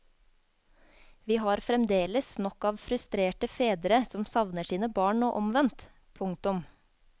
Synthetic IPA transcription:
ʋiːhɑːɾfɾɛmd̪eːləsnɔkɑːʋfɾʉst̪ɾeːʈəfeːd̪əɾəsɔmsɑʋnəʃiːnəbɑːɳoːʔɔmʋɛnt̪ | pʰʊŋt̪ʊm

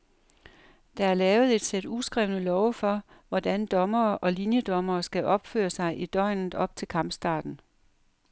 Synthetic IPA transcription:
d̥ɑ̈æɐlɛːʊð̩ˠe̝d̥sed̥usɡ̥ʁɛʊnəlɒʊfɒ̽ | ʋɒd̥ænd̥ɒ̽mɐːʔɒ̽linjəd̥ɒ̽mɐːsɡ̥æʔɒ̽b̥fø̰ːɐsɑ̈ɪʔid̥ɒ̽ɪ̰nð̩ˠɒ̽b̥̚t͡sʰe̝lkʰɑ̈m̰b̥sd̥ɑ̰̈ːd̥n̩

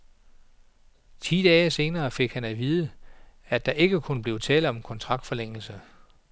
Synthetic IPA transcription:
t͡sʰḭːd̥ɛːse̝ːnɐːfe̝ɡ̥hænæʋiːð̞ˠəæd̥ɑ̈ʔe̝ɡ̥əkʰonəb̥le̝ʊt͡sʰɛ̰ːld̥ɒ̽mkʰɒ̽nt͡sʰʁɑ̈ɡ̥̚d̥fɒ̽leŋ̰l̩sə

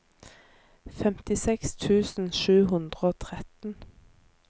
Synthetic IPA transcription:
fɛmt̪ɪsɛkst̪ʰʉːsn̩ʃʉːɦʉnd̪ʁəoːt̪ʰʁɛt̪n̩

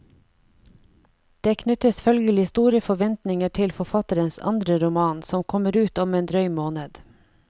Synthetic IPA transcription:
d̪̥eːkʰnʏt̪əsfœlɡəlɪst̪uːɾəfɔʋɛnt̪nɪŋəʈʰɪlfɔfɑt̪əɾənsɑ̰nd̪ɾəɾʊmɑːnsɔmkʰɔməɾʉːt̪ɔmeːnd̪ɾœʏmoːnəd̪̥

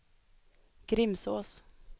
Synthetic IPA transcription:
ɡ̥ɾɪmsoːs

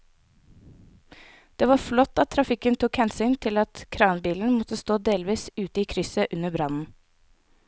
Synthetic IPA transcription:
d̪̥eːʋɑːflɔt̪ːɑt̪ʰːɾɑfɪkənt̪ʰuːkhɛnsyːnt̪ʰɪlɑt̪kʰɾɑːnbiːln̩mɔt̪əst̪oːd̪eːlʋiːsʉːt̪əiːkʰɾʏsəʔʉnəbɾɑnn̩

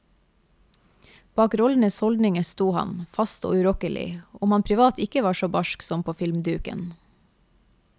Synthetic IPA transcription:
b̥ɑːkɾɔln̩əshɔld̪nɪŋəst̪uːhɑ̰nfɑst̪o̰ːʉɾɔkəlɪ̰ɔmhɑnpʰɾɪʋɑːt̪ɪkəʋɑːʃoːbɑʃksɔmpʰoːfɪlmd̪ʉːkə̰n

